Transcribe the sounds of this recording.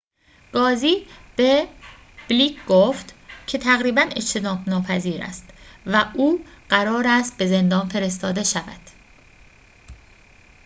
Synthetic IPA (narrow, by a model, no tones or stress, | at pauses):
ɡ̥ɒːziːb̥e | b̥liːkʰɡoft̪cʰe̞t̪ʰæɣɾiːbæne̞̰t͡ʃt̪ʰe̞nɒːbnɒːpʰæziːɾæ̰st̪væʔuːɢ̥æɾɒːɾæst̪̚be̞ze̞nd̪ɒːnfe̞ɾe̞st̪ɒːd̪e̞ʃævæ̰d̪̥